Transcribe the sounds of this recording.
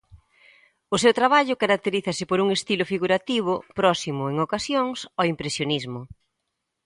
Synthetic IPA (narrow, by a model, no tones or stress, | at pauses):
ʊsewt̪ɾaβ̞aʎʊkaɾak̚t̪eɾiθasɪpoɾuŋest̪ilʊfiɣuɾat̪iβ̞ʊpɾɔsimʊeŋokasjoŋsɔimpɾesjonizmʊ